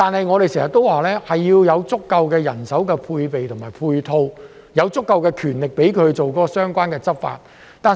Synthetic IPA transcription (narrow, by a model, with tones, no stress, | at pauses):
t̪aː˨nhɐ˨jŋɔː˨˧ɾe˨jsɛː˨˩ŋsɐ˨˩t̪ːo˥waː˨lɛː˥hɐ˨jːiː˧wjɐ˨˧wt͡sʊ˥kːɐ˧wkɛː˧jɐ˨˩nsɐ˨˥wkɛː˧pʰuː˧jpe˨jt̪ʰʊ˨˩ŋmaː˨˩jpʰuː˧jt̪ʰo˧w | jɐ˨˧wt͡sʊ˥kːɐ˧wkɛː˧kʰyː˨˩nlɪ˨k̚pe˨˥jkʰɵ˨˧ɥt͡so˨wkɔː˨˥kɔ˧sœː˥ŋkʷaː˥nkɛː˧t͡sɐ˥t̚fa̰ː˧t̚ | t̪aː˨